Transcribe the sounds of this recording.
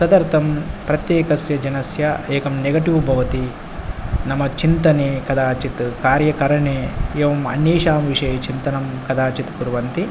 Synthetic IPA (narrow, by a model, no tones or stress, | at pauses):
sɐd̪ɐɾt̪ʰɐmpɾɐt̪jeːkɐsjɐd͡ʒɐnɐsjɐeːkɐmneɡɐʈiʋbʱɐʋɐt̪i | nɐmɐt͡ʃint̪ɐneːkɐd̪aːt͡ʃit̪kaːɾjɐkɐɾɐɳeːeːʋɐmɐ̰ɳːeːʃaːmʋiʂɐjɐt͡ʃint̪ɐnɐmkɐd̪aːt͡ʃit̪puɾʋɐnt̪i